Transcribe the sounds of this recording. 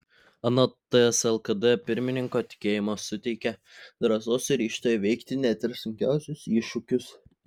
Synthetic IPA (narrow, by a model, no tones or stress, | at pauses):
ɐnot̪ɨɛsɛlˠkɐd̪ɛpʲɪɾʲmʲɪnʲɪŋkoːt̪ʲɪ̥kʲeːjɪmoːsʊt̪ʲɛɪkʲɛd̪ɾɐsoːsɾʲiːʃt̪oːjɛʋʲɛɪkt̪ʲɪnʲæt̪ʲɪɾsʊŋʲkʲæ̰ˑʊsʲʊsiˑʃʊkʲʊs